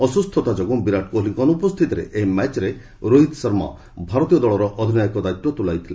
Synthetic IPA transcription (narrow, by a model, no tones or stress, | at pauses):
ɔsust̪ʰɔt̪ad͡ʒɔɡubiɾaʈ̚koliŋkɔnupɔst̪ʰit̪ɔɾḛʔeɦimɛt͡ʃɾe | ɾoɦit̪sɔɾma̰ | bʱaɾɔt̪ijɔd̪ɔɭɔɾɔʔɔd̪ʱinajɔkɔd̪ajt̪ːɔt̪ulajt̪ʰile